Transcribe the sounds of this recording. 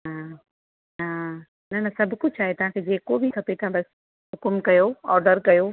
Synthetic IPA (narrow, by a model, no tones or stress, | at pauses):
ɦa | na | nɐnɐsɐbʱkʊd͡ʑʰaːɦet̪ɐʋ̤ãkʰeːd͡ʑeːkobʱɪkʰɐpet̪ɐãbɐs | ɦʊkʊmkɐjoɔːɾɖəɾkɐjo